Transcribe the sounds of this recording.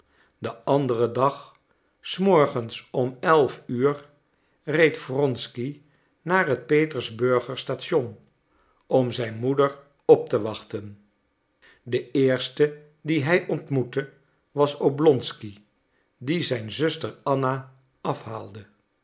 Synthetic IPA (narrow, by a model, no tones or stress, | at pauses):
dəʔɑndərədɑχ | smɔɹχənsɔmɛlˠfyːɹ | rejtfrɔnski | naːɹɦət̚pejtəɹzbɵɹχəɹstaːtʃɔn | ɔmzɛjnmudəɹ | ɔp̚təʋɑχtən | dəɪːɹstə | diɦɛjʔɔntmutə | ʋɑsoblɔnski | dizɛjnzɵstəɹɑna | ʔɑfɦaːlˠdə